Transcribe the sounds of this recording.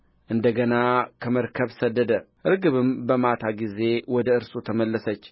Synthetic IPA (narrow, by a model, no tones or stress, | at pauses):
ʔɨnd̪əɡənakʰəməɾkʰəβsəd̪ːəd̪əʔɨɾɡɨβɨmbəmat̪ʰaɡize̞wɔd̪əɨɾsut̪ʰəməlːəsət͡ʃː